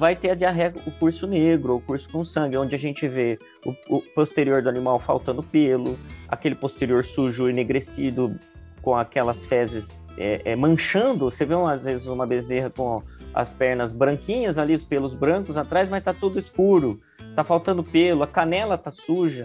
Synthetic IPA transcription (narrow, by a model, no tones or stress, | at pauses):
vajt̪eɐd͡ʒɪaɦɛɡʊkuɾsʊneɡɾʊoʊkuɾsʊ̥kõsɐ̃ŋɡʲɪõd͡ʒɪaʒẽnt͡ʃɪve | ʊʊpost̪eɾioɾd̪ʊanĩmawfa̰wt̪ɐ̃nd̪ʊpelʊa̰kelɪpost̪eɾioɾsuʒʊineɡɾesid̪ʊkõakɛlɐsfɛzɪs | ɛ̰ʔɛmɐ̃ʃɐ̃nd̪ʊseveũazvezɪzũmɐbezeɦɐkõɐ̰spɛɾnɐzbɾɐ̃kĩɲɐzaliʊspelʊzbɾɐ̃kʊzat̪ɾajzmɐst̪at̪ud̪ʊɪskuɾʊ | t̪afawt̪ɐ̃nd̪ʊpelʊɐkanɛlɐt̪asuʒɐ